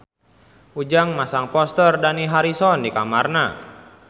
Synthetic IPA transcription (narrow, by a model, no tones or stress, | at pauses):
ud͡ʒaŋmasaŋpɔst̪ərdaniɦaɾisɔndikamarna